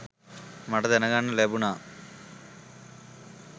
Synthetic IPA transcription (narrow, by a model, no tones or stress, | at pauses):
mɐʈɐd̪ɛnɐɡanːɐleːbuna